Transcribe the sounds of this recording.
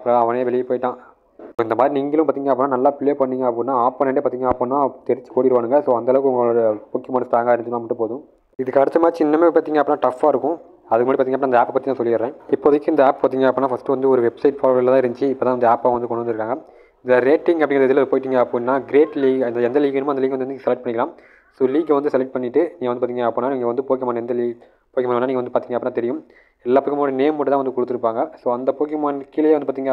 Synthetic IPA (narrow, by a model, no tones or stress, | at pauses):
ɐpːɯɾõɐʋɐneːʋɛɭɪjɐpoːjʈːãː | soːɪnd̪ɐmaːðɾiniːŋɡɐlɯ̃mpaːɾt̪iːŋɡɐpːonːaːnɐlːaːpɪɭeːpɐɳːiːŋɡɐɐpːɽnːaːaːppɐnɛɳɖeːpːaːt̪iːŋɡɐːɐpːoːnːaːt̪ɛɾɪt͡ʃːɯ̥koːɽɪɾɯʋaːɳɯŋɡɐsoːɐnɐːlɐʋɯkɯɔŋɡɐpʊkːjɪmaːnsʈaːɾŋɡaːɪɾɲd͡ʒnaːmɐʈːɯ̃poːðʊ̃ | ɪðɯkːɐɾɐt͡ʃːɐmaːðit͡ʃɪnːɐmeːpaːɾt̪iːŋɡɐpːɾnːaːʈɐfːaːɪɾɯkːʊ̃ | ɐðɯkːɯmad̪ɾipːaːt̪iŋɐpːɾnːaɐnd̪aːpːɐpaːt̪iːŋt̪ãːsɔlːɪɐɾɾẽːɪpːoːɐðɯkːɯɪnd̪ɐaːp̚paːɾt̪iːŋɡɐɐpːonːaːfɐsʈɯʋɐnd̪ɯɔɾɯʋɛbsɐɪʈfaːlɐʋɪlːt̪ãːɪɾɯɲt͡ʃɯɪpːoːt̪ãːɐnd̪ɐaːpːaʋɐnd̪ɯkɔɳɖʋɐnd̪ɪɾɯkːaːŋɡɐ | nd̪ɾeːʈːɪŋɡɐpːɽɪŋɡɾɐðɛðɪlɐðɯpoːjɪʈːiːŋɡɐɐpːnːaːɡɪɾeːʈliːɪnd̪ɐɛnd̪ɐliːɣɐnɯmaːɐnd̪ɐliːkɐndɯɐnɯiːɐsɛlɛk̚ʈ̚pɐɳɪkɐlaːm | soːliːkːʋɐnd̪ɯsɛlɛk̚ʈ̚pɐɳːɪʈːɯniːŋɡɐnd̪ɯpːɾt̪iŋɐɐpːoːnːaːniːŋɡɐʋɐnd̪ɯpoːkjɐmaːnɛnd̪ɐliː | poːkɪɐmɐːʋanːaːniːŋɡɐnd̪ɯpaːɾt̪iːŋɡɐpːɽnːaːt̪ɛɾɪjɯm | ɛlːaːpːoːkːɐmːɽneːmuʈːɐt̪ãːɐnd̪ɯkɔɽɯt̪ːɯɾɯpːaːŋɡɐsoːɐnd̪ɐpoːk̬jɐmaːnkɪljeːʋɐnɯpaːt̪iːŋɐ